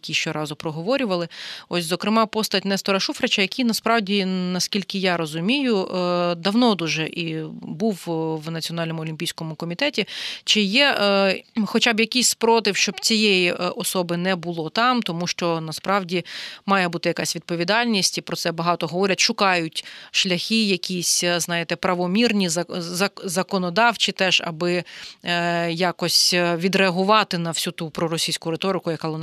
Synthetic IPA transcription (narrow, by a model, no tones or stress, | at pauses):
kʲiʃt͡ʃɛɾɑzʊpɾɔɦɔʋɔɾʲʊʋɐlˠɪɔsʲzɔkɾɪmɑpɔst̪ɐtʲnɛst̪ɔɾɐʃufɾet͡ʃɐjɐkʲijnɐspɾɑwdʲinɐskʲilʲkɪjɑɾɔzʊmʲijʊd̪ɐwnɔd̪uʒɛʔibuwʋnɐt͡sʲiɔnɑlʲnɔmʊɔlʲimʲpʲijsʲkɔmʊkɔmʲit̪ɛtʲit͡ʃɪjɛ | xɔt͡ʃabjɐkʲijsʲpɾɔt̪ɪwʃt͡ʃɔb̥t͡sʲijejiʔʔɔsɔbɪnɛbʊlˠɔt̪ɑmt̪ɔmuʃt͡ʃɔnɐspɾɑwdʲimɑjɛbut̪ɪjɐkɑsʲʋʲid̪̚pɔʋʲid̪ɑlʲnʲisʲtʲipɾɔt̪sɛbɐɦɑt̪ɔɦɔʋɔɾʲɐtʲʃʊkɑjʊtʲʃlʲɐxʲijɐkʲisʲznɑjɪt̪ɛpɾɐʋɔmʲirnʲiɐzɐzɐkɔnɔd̪ɑwt͡ʃit̪ɛʒɐ̰bɪ | jɑkɔsʲʋʲid̪ɾeɐɦʊʋɑt̪ɪnɐwsʲut̪upɾɔɾɔsʲijsʲkʊɾet̪ɔɾɪkʊjɐkɑlˠɔn